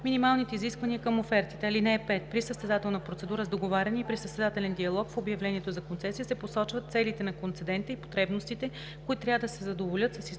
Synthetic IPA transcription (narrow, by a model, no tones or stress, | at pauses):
minimalˠnit̪ɛiziskvɐnʲiəkəmofɛɾt̪it̪ɛɐlinɛːpɛt̪̚pɾisəst̪ɛd̪at̪ɛlˠnəpɾot̪sɛd̪uɾəzd̪oɡovaɾʲɐniːpɾisəst̪ɛd̪at̪ɛlɛnd̪iɐlˠɔkfobjɐvlɛniɛt̪ozɐkont̪sɛsijəsɛposɔt͡ʃvət̪t̪sɛlit̪ɛnɐkont̪sɛd̪ɛnt̪əipo̥t̪ɾɛbnost̪it̪ɛ | koit̪t̪ːɾʲavəd̪əsɛzɐd̪ovolʲɤt̪səsi